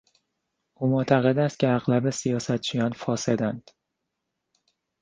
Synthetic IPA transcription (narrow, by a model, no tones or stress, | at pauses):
ʔuːmot̪ʰæɣe̞d̪æst̪̚cʰʲeæɣlæbe̞sijɒːsæt̪̚t͡ʃʰijɒːnfɒːse̞d̪ænd̪̥